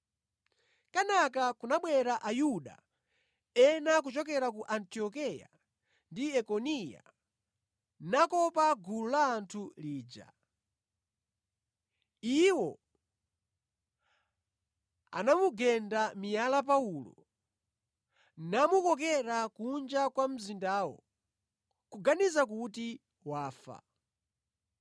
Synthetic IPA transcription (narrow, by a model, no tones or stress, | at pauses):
kanakakunaɓwɛɾaʔajuɗa̰ | ɛnak̬ut͡ʃɔk̬ɛɾak̬uʔantiɔkɛja̰ | ndiɛkɔnija̰ | nakɔpaɡululaːntʰuliːd͡ʒa̰ | iwɔ | a̰namuɡɛndamijalap̬aulɔ̰ | namukɔkɛɾakund͡ʒakwam̩zindaːwɔ̰ | kuɡanizak̬uti | waːfa̰